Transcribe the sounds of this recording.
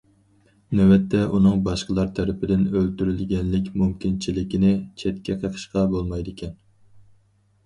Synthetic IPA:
næwɛt̪ʰːɛunɨŋbɑʃqəlˠɑɾt̪ʰæɾɪpɪd̪ɪnølt̪yɾylɡʲɛnlɪkʲmumkʲint͡ʃʰilɪkʲinɪt͡ʃʰɛt̪kʲʰɛqʰəqʰə̥ʃqɑbolˠmɑjd̪ɪkʲʰɛn

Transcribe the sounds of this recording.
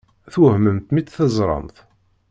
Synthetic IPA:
θuhməmt̪mit͡s̪θəzˤɾˤə̰mθ

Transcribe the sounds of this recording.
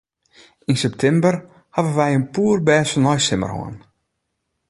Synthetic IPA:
insɛp̚tʰɛmbər | havənʋɛjənpuːrbɛːsənɔjsɪmə̰rɦo̰ən

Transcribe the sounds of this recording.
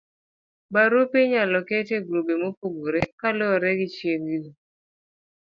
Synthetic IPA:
baɾopiɲalɔketeɡɾobemokoɡoɾɛkalɔɾɛɡɪt͡ʃjeŋɡi

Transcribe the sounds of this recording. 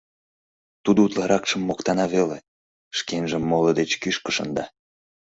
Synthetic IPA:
t̪ud̪out̪lɑɾɑkʃəmːokt̪ɑnɑβele | ʃkenʒəmːoləd̪et͡ɕkyʃkə̥ʃə̰nd̪ɑ

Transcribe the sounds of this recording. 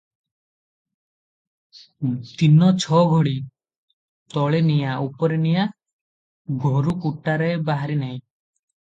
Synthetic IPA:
t̪inɔt͡ʃʰɔɡʱoɽi | t̪ɔɭenijaupɔɾenija | ɡʱoɾukuʈːaɾaebaɦaɾinaĩ

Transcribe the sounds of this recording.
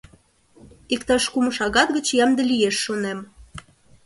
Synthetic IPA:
ikt̪ɑʃkuməʃɑɣɑt̪ɡə̆t͡ɕjɑmd̪ə̆lijeʃːonem

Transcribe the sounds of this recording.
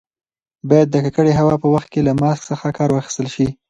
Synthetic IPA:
bɑjad̪ːəkakəɽeɦawɑpəwaxt̪̚kelamɑsksəxakɑɾwɑxi̥st̪əlʃi

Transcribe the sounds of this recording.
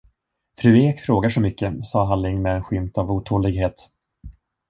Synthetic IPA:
fɾʉ̟ːeːkfɾoːɡaʂɔmʏkːəsɑːɦalːɪŋmɛɛnɧʏmt̪avuːt̪ʰuːlɪɡɦeːt̪

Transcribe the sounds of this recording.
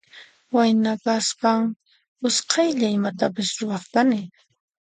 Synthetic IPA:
wajnakaspaŋ | ʊsqʰɑjʎaɪmat̪apɪsɾʊwɑχt̪anɪ

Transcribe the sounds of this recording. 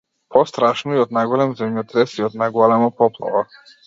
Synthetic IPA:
pʰɔst̪ɾaʃnɔiɔd̪najɡɔlɛmzɛmjɔt̪ɾɛsiɔd̪naɡɔlɛmɔpɔplˠɔ̰vɔ

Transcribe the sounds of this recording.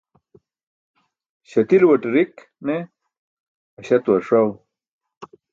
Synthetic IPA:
ɕɐt̪ilwɐʈɾik | ne | ɐɕɐt̪wɐɾʂaw

